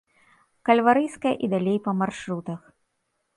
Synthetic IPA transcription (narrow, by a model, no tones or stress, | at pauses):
kɐlʲvaɾɨjskɐjɐʔid̪alʲejpɐmarʂɾut̪ɐx